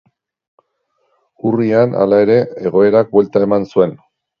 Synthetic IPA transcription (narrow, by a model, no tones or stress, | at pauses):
uriana̰lae̞ɾe̞eɣ̞o̞e̞ɾak̚bwelt̪ae̞mansue̞n